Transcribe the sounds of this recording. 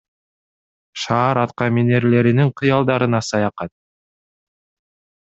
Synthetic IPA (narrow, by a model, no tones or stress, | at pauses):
ʃɑːɾɑt̪qɑmine̞ɾle̞ɾiniɴqʰɯjɑlˠd̪ɑɾɯnɑsɑjɑqɑt̪̚